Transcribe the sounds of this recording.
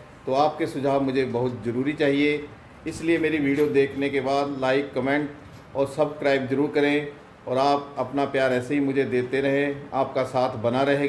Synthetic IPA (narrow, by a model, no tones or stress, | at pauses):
t̪oːaːp̚kesʊd͡ʒʱaːbmʊd͡ʒʱebɐɦʊt̪zɐɾuːɾit͡ʃaːɦie | ɪsliemeːɾiʋiːɖijod̪eːkʰnekebaːd̪laːɪkːɐmẽːɳʈ | ɔːɾsɐbskɾaːɪpzɐɾuːɾkɐɾẽ | ɔːɾaːp̚ɐpnapjaːɾɛːseɦimʊd͡ʒʱed̪eːt̪eɾɐɦẽaːp̚kasaːt̪ʰbɐnaɾɐɦeː